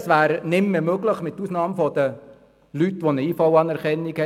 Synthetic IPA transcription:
sʋæːɾnɪmːəmøɡləχmɪtːusnɑːmfɔd̥̪ə | lytːʋonəiːfɑwɑnɛɾkɛnːikhɛ

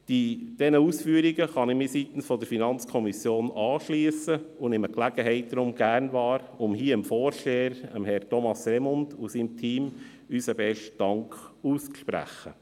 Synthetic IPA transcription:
d̥id̥ɛnəuːsfyːəɾiɡəχɑnɪmɪsiːt̪n̩sfɔd̥əɾfinɑnt͡skʰɔmisjoːnɑːʃliəsəʊnɪməklæɡ̥əɦɛɪt̚d̥̪ɾʊmɡ̥æɾnʋɑːɾ | ʊmhiːəəmfɔːɾʃteːəɾəmhɛɾtʰɔmɑsɾɛmʊndusimtʰiːm | ysəbɛʃt̚d̥ɑŋkuːst͡sʃpɾæ̰χə̰

